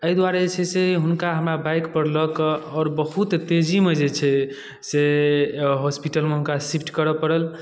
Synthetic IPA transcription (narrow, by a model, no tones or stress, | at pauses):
əid̪waɾet͡ʃʰɛseɦunkaɦəmɾabajkpəɾləkɔːɾbəɦut̪t̪ed͡ʒimed͡ʒet͡ʃʰɛ | se | ɦospiʈəlmeɦunkasipʰʈkəɾəpəɾəl